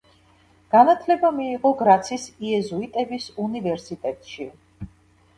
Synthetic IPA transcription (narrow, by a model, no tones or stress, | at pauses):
ɡ̥anat̪ʰlɛbamiːʁɔɡɾat̪sʰisiɛzuit̪ʼɛbisunivɛɾsit̪ʼɛt̪ʼʃi